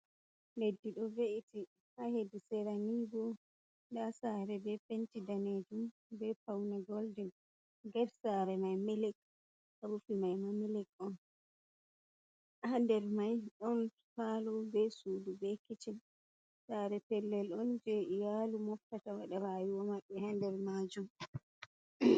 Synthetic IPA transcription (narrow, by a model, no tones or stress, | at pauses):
ledːiɗɔveʔiti | hahedisɛɾaniːɡɔ | dasaɾɛbɛpentidaned͡ʒum | bɛpawnaɡɔldɛn | ɡaɾsaːɾɛmajmɛlɛk̚ | aɾufimajmamilɛkʼɔn | handɛɾmajɗɔn | palɔbɛsuːdubɛkit͡ʃin | saːɾɛpɛlːɛlɔnd͡ʒɛʔijalumɔftatawaɗaɾajiwɔmaɓːɛhandɛɾmad͡ʒum